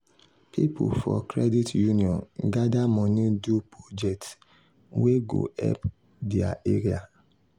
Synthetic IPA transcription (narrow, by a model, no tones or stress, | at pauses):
pʰipʰṵfɔ̰kɾɛditjuniɔ̃nɡadamɔ̃nĩdupod͡ʒɛk̚t | weɡo̰ɛ̰p | diaeɾia